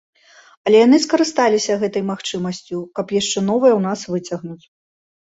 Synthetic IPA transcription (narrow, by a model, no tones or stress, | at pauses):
ɐlʲɛjanɨskɐɾɨst̪alʲisʲɐɣɛt̪ɐjmaxt͡ʂɨmɐsʲt͡sʲukɐpjaʂt͡ʂɛn̪ɔvɐjɐwn̪asvɨt͡sʲɐɣnut͡sʲ